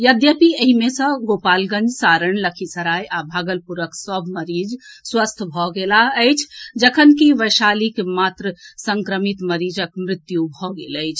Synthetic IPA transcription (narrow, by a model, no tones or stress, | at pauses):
jəd̪jəpiəɦimesə̃ɡopalɡə̃nd͡ʒsaɾəɳləkʰisəɾajʔabʱaɡəlpuɾəksəbʱməɾid͡ʒswəst̪ʰbʱɔɡelaət͡ʃʰd͡ʒəkʰənkiʋəjʃalikemat̪ɾəsəŋkɾəmit̪məɾid͡ʒəkmɾɪt̪jubʱɔɡeləjt͡ʃʰ